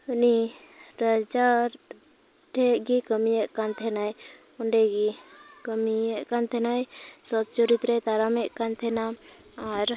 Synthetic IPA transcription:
uni | ɾəd͡ʒaɾ | ʈɛʔɡikəmijɛʔkant̪ʰɛnaj | uɳɖɛɡikəmiɛʔkant̪ʰɛnajsɔt̪̚t͡ʃɔɾit̪ɾɛt̪aɾamɛʔkant̪ʰɛnaː | ɾ

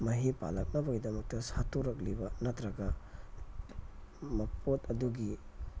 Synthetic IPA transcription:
mɐɦipa̰lɐk̚nɐbɐɡidɐmɐk̚tɐsatuɾɐk̬̚libɐnɐtɾɐɡɐ | mɐpʰotɐduɡi

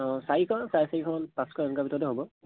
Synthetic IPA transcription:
saɹikʰɔsajsaikʰɔnpãskʰɔɛnkabʱitɔtɛɦobɔ

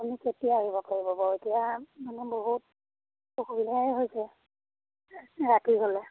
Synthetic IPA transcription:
amiketijaːɦibɔpaɹibɔbɔetijamanɛboɦut̚ | okuilaɦojsɛ | ɹatiɦolɛ

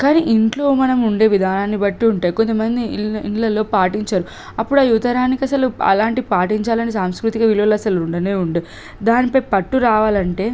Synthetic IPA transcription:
kaːniʔiɳʈloːmɐnɐmuɳɖe̞ːʋid̪ʱaːnaːnːibɐʈːiuɳʈaːjiko̞nt̪ɐmɐnd̪iiɳːɐlo̞ːpaːʈiɲt͡ʃaːɾu | ɐpːuɽɐːjut̪ɐɾaːnːikiɐsɐluɐ̰laːɳʈipaːʈiɲt͡ʃaːlɐnisaːmskɾut̪ikɐʋilʋɐlɐsɐluɳɖɐneːuɳɖe | d̪aːnipɐjpɐʈːuɾaːʋaːlɐɳʈe̞ː

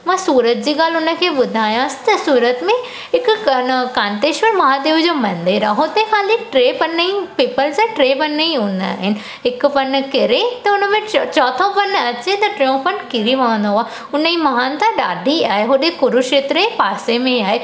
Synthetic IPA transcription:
mãːsuːɾət̪̚d͡ʑiːɡaːlʊnə̆kʰeːɓʊd̪ʱaːjãːsɪ̥t̪ɐsuːɾət̪mẽ | ɦɪkɐkaːnt̪eːʃmẽmɐɦãd̪eːʋʊd͡ʑoːmɐ̃nd̪eɾaɦõt̪ɐĩkʰaːliʈɾeːpɐnːəĩpiːpəlsẽʈɾeːpɐnːəĩʊna̰ːɦɪnɪ̆ | ɦɪkpɐn̆kɪɾet̪ɐʊnəmẽt͡ɕɔːt̪ʰõpɐnɐt͡ɕet̪ɐʈɾeõpɐnkɪɾiʋɐʋə̃nd̪oɦaː | ʊnəĩmɐɦãːnt̪ʰãɗaːɖʱiaːɦeɦoɗẽkʊɾʊʃet̪ɾepaːsemẽaːɦe

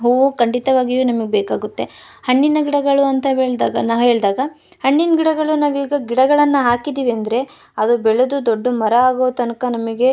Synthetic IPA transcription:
ɦuukɐɳɖit̪ɐʋaːɡijuːnɐmɐɡebeːkaːɡut̪ːe̞ | hɐɳːinɐɡiɽɐɡɐɭuɐnt̪ɐɦeːɭd̪aːɡɐnaːʋɦe̞ːɭd̪aːɡɐ | hɐɳːinɡiɽɐɡɐɭunaːʋiːɡɐɡiɽɐɡɐɭɐnːɐɦaːkid̪iːʋiɐnd̪ɐɾe̞ | ɐd̪ubɛɭed̪ud̪oɖːumɐɾɐaːɡoʋt̪ɐnɐkɐnɐmɐɡe̞

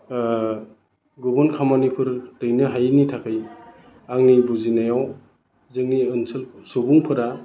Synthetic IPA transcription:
ɡubɯnkʰamanipʰɯɾtɯjnɯɦajnitʰakʰɯj | aŋnibuzinajaw | zɯŋniɯnsʰɯlsubuŋpʰɯɾa

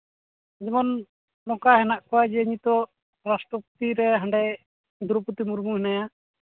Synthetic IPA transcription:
d͡ʒɛmɔn | nɔkaɦɛnaʔkɔwad͡ʒɛəɲit̪ɔ | ɾasʈɔput̪iɾɛɦãɳɖɛj | d̪uɾuput̪imuɾmuɦɛnaja

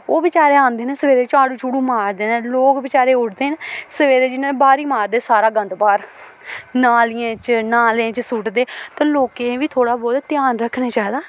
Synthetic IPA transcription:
oːbɪt͡ʃaːɾeːãːnd̪eːneːsəʋeːɾeːt͡ʃaːɽũːt͡ʃuːɽũːmaːɾd̪eːnẽːloːkbɪt͡ʃaːɾeːʊʈd̪eːnesəʋeːɾeːd͡ʒɪnẽːbaːɾiːmaːɾd̪eːsaːɾaːɡənd̪paːɾ | naːlɪjẽːt͡ʃnaːlẽːt͡ʃsʊʈd̪eːt̪ãːloːkeʋiːt̪ʰoːɽaːbɔːd̪t̪ɪjaːnɾəkʰneːt͡ʃaːid̪aː

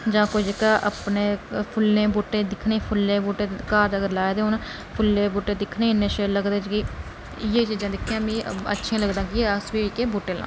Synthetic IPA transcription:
d͡ʒãːkoid͡ʒekaːʔəpneːpʰʊlːẽːboːʈeːd̪ɪkʰneːpʰʊlːẽːboːʈeːkaːɾd͡ʒəɡəɾlaːed̪eːɦʊn | pʰʊlːẽːboːʈeːd̪ɪkʰneːɪnːẽːʃeləɡd̪eːd͡ʒɡiː | jeːt͡ʃid͡ʒãːd̪ɪkʰːjãːmĩːə̰tːʃʰiãːləɡd̪ãːɡieəsbiːkeːboːʈeːlã̰ː

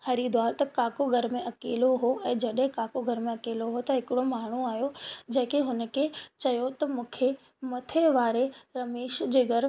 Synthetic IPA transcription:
hɐɾid̪waːɾt̪ɐkaːkoɡʱɐɾmẽʔɐkeːloɦoʔɛ̃ːd͡ʑɐɗɦɪ̃kaːkoɡʱɐɾmẽɐkeːloɦot̪ɐɦɪkɪɽomaːɳ̤uaːɦijod͡ʑɐ̃ɦɪ̃keɦʊnə̆kʰet͡ɕɐjot̪ɐmũːkʰe | mɐt̪ʰeʋaːɾeɾɐmeːʃd͡ʑeːɡʱɐɾ

